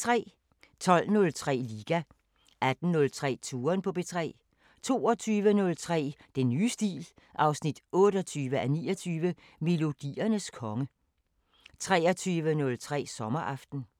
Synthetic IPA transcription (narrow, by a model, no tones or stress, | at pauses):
t͡sʰʁɛ̰ː | t͡sʰɒ̽l̰nɔ̽lt͡sʰʁɛ̰ːliːɡ̥æ | ʔæd̥n̩nːɔ̽lt͡sʰʁɛ̰ːt͡sʰuːɐnpʰɒ̽b̥e̝t͡sʰʁɛ̰ː | t͡sʰo̝ːɒt͡sʰyːʋənɔ̽lt͡sʰʁɛ̰ːd̥enːyːsd̥ḭːl | ʔɑ̈ʊsnid̥ɔ̽ːɾ̥ɒt͡sʰyːʋəʔænḭːɐt͡sʰyːʋə | me̝lo̝d̥ḭːɐnəskʰɒ̽ŋə | t͡sʰʁɛːɐt͡sʰyːʋənɔ̽lt͡sʰʁɛ̰ːsɒ̽mɐʔɑ̈fd̥n̩